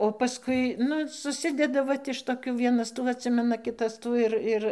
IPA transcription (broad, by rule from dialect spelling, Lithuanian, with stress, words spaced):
oː pɐˈskʊɪ ˈnʊ sʊˈsʲɪdʲɛdɐ ˈʋɐt ɪʃ toːˈkʲuː ˈʋʲiɛnɐs ˈtuː ɐtʲˈsʲɪmʲɛnɐ ˈkʲɪtɐs ˈtuː ɪr ˈɪr